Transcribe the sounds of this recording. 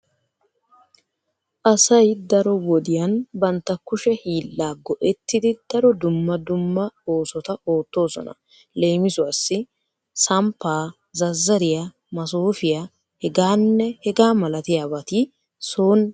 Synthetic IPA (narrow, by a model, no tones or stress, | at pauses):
ʔɐsɐjd̪ɐɾɔwɔd̪ɪjɐnbɐnt̪ːɐkːʊʃɛhiːlːaːɡɔʔɛt̪ːɪd̪ɪd̪̥ɐɾɔd̪ʊmːɐd̪ʊmːɐo̞ːsɔt̪ɐo̞ːt̪ːo̞ːsɔ̰nɐ̰ | leːmɪzʊaːsːɪ | sɐmpːaː | zɐzːɐɾɪja | mɐsoːfɪja | hɛɡaːnːɛhɛɡaːmɐlɐt̪ɪjaːbɐt̪i | soːn